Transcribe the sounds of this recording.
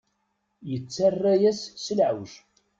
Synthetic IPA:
jət͡sːarːæjæsːəlʕəwʃ

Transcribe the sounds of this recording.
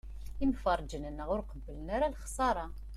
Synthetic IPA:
imfərˤd͡ʒənənːəʁʊɾqəbːələnaɾælχsˤɑɾˤɑ

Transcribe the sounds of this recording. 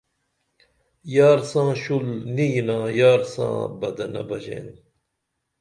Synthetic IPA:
jaːɾsãːɕulnijinãːjaːɾsã̰ːbɐd̪ɐnɐ̰bɐd͡ʑḛːn

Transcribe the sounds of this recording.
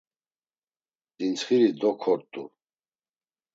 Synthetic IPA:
d̪̥int͡sχiɾid̪ɔkʰɔɾt̪ʼṵ

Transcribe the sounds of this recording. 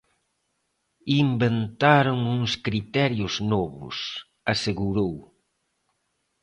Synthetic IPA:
imbent̪aɾoŋuŋskɾit̪ɛɾjʊznɔβʊ̰s | aseɣuɾow

